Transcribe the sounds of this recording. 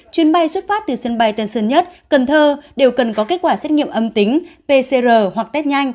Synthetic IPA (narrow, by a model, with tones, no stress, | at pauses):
t͡ɕwi˨˦ənɓa˧jswə˦˥t̚faː˦˥t̚t̪ɨ˨˩sə˧nɓa˧jt̪ə˧˩nsə˧nɲə˦˥t̚kə˨˩nt̪ʰəː˧ɗe˨˩wkə˨˩nkɔ˨˦ke˦˥t̚kwaː˧˩sɛ˦˥t̚ŋḭ˧˨ə˨ʔə˧mt̪ï˨˦ŋ̟pe˧se˧zəː˨˩hwa˨˩k̚t̪ɛ˦˥t̚ɲa˧jŋ̟